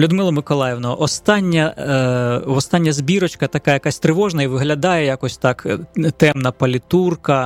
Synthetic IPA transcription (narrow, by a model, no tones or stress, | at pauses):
lʲʊd̪mɪlˠɔmɪkɔlˠɑjɛwnɔɔʔɔst̪ɑnʲːɐ | ʋɔst̪ɑnʲːɐzʲbʲiɾɔt͡ʃkɐt̪ɐkajɐkɑsʲt̪ɾɪʋɔʒnɐiʋɪɦlʲɐd̪ɑjɛjakɔsʲt̪ɑkt̪ɛmnɐpɐlʲit̪urkɐ